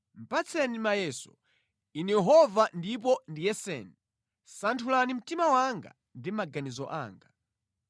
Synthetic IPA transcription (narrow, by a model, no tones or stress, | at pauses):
m̩pat͡sʰɛnimajɛsɔ̰ | inijɛɦɔvandip̬ɔndijɛsɛ̰ni | santʰulanim̩timawaŋɡa̰ | ndimaɡanizɔʔa̰ːŋɡa